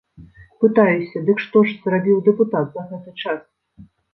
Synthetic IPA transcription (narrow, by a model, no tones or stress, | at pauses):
pɨt̪ajusʲɐd̪ɨkʂt̪ɔʂz̥rabʲiwd̪ɛput̪at̪zɐɣɛt̪ɨt͡ʂas